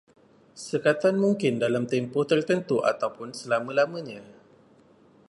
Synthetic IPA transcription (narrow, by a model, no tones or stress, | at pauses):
səkat̪anmũŋkɪndalamt̪ɛmpɔht̪ərt̪ənt̪uʔa̰t̪awpʊnsəlamə̃lamə̃ɲã